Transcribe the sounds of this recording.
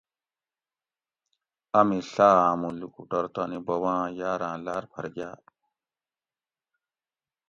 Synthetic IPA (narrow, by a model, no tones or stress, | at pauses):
ɐmiɬaːaːmulukuʈɐɾt̪aːnibɐwãːjaːɾãːlaːɾpʰɐ̰ɾɡjaː